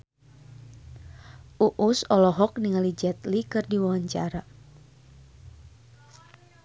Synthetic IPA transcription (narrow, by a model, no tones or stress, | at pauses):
ʔuʔusɔlɔɦɔk̚niŋalid͡ʒɛt̪likɨrdiwawaɲt͡ʃa̰ɾa